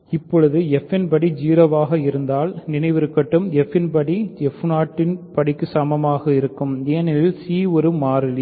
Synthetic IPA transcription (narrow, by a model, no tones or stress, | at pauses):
ɪpːɔɻɯðɯɛfɪnpɐɽid͡ʒiːɾɐʋaːɣɐɪɾɯnd̪aːlnɪnɐɪʋɪɾɯkːɐʈːɯmɛfːɪnpɐɽiɛfnaːʈːɪnpɐɽɪkːɯsɐmɐmaːɣɐɪɾɯkːɯmeːnɪlsiːɔɾɯmaːɾɪl